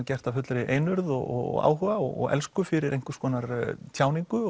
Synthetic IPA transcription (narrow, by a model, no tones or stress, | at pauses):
cɛr̥t̪avfʏt̪lɾɪʔejnʏɾðɔɣɔ̰ɣ̰ɣa̰ːwhʏːɣaɔɣɔ̰ɣɛ̰lskʏfɪɾɪɾʔejŋ̥kʏɾ̥skʰɔːnaɾt̪ʰjaːwniŋkʏ